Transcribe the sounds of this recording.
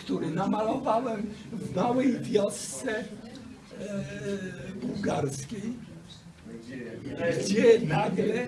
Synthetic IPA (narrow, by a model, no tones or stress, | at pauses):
kt̪uɾɪnamalɔvawɛmvmawɛjvʲjɔst̪sɛ | buwɡaɾskʲej | ɡd͡ʑɛnaɡlɛ